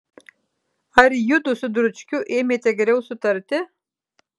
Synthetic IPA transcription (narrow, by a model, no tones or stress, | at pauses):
aɾʲjud̪ʊsʊd̪ɾʊt͡ʃkʲuʔemʲet̪ʰɛɡʲeɾɛwsut̪ɐɾʲt̪ɪ